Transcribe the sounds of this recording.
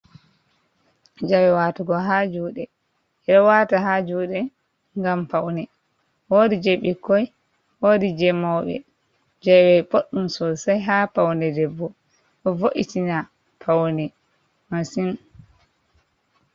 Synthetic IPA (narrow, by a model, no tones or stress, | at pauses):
d͡ʒawɛwaːtuɡɔɦad͡ʒuːɗɛ | ɛɾɔwataɦad͡ʒuɗɛ | ŋɡampawnɛ | woːdid͡ʒeɓikːɔj | wodid͡ʒɛmawɓɛ̰ | d͡ʒɛwɛpoɗːumsɔsajɦapawnɛdɛbːɔ | ʔɔvoʔitina | pʰawnɛ | masin